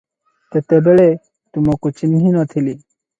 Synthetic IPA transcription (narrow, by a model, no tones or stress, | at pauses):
t̪et̪ebeɭe | t̪umokut͡ʃiniɦinɔt̪ʰili